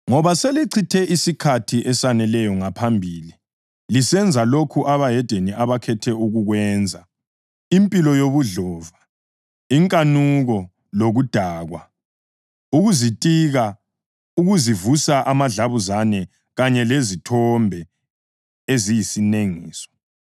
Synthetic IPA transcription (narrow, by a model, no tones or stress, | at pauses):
ŋɔβaseliǀʰitʰɛʔisikʰatʰiʔɛsanɛlɛjɔŋapʰambʱiːli | lisɛnd͡zʱalokʰuʔaβajɛd̥ʱeniʔaβakʰɛtʰɛuɣuɣwɛnd͡zʱa | impʼilɔjoβuɮɔva | iŋkʼanuɣɔ | loɣud̥ʱaːɣwa | uɣuzitʼiɣa | uɣuzivusaʔamaɮaβuzanɛ | ɣaɲɛlezitʰɔmbʱɛ | ezijisineŋiːsɔ̥